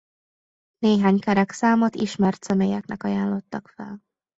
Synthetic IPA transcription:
neːɦaːɲkɛɾɛksaːmot̪iʃmɛrt̪sɛmeːjɛknɛkɒjaːnlo̞t̪ːɒkfɛ̰l

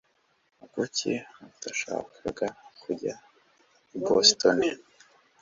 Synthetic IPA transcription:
uɡucḭataʃa̰ːkʰaɡakʰuɟa | bostoni

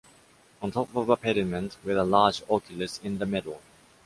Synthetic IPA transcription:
ə̃ntʰɔpɔvəpʰɛɾɪmə̃ntwɪðəlɑːd͡ʒɔkʰjəlɪsɪ̃nðəmɪɾl̩ˠ

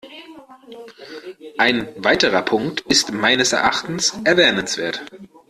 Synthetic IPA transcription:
ʔaɪnvaɪtəʁɐpʰʊŋktɪstmaɪnəsɛɐʔa̰χtn̩sʔɛɐvɛːnənsv̥eːɐt

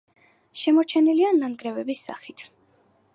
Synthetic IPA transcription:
ʃɛmɔɾt͡ʃʰɛniliananɡɾɛvɛbisːa̰χit̪ʰ

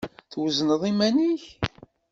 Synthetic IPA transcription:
θwəznəðˤimæniç

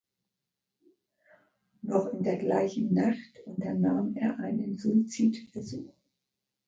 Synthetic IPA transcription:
nɔχɪndeːɐɡlaɪçn̩naχtʔʊntɐnaːmeːɐʔaɪnənzuit͡siːtb̥əzuːx

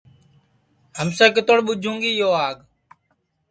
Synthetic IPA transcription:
həmseːkət̪oɽɓʊd͡ʒʱũːŋɡiːjoːaːɠ

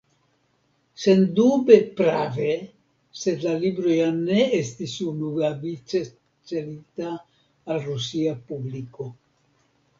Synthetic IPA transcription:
se̞ndube̞pɾave | se̞dlalibɾo̞jane̞estisunuɡavit͡ʃe | t͡ʃelitaː | lɾusiapubliko̞

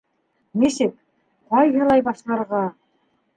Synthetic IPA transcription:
nesek | qʰɑjʒɑlˠɑjbɑʃlˠɑɾʁɑ

